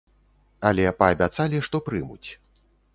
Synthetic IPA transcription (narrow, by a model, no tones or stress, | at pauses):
ɐlʲɛpɐːbʲat̪salʲiʂt̪ɔpɾɨmut͡sʲ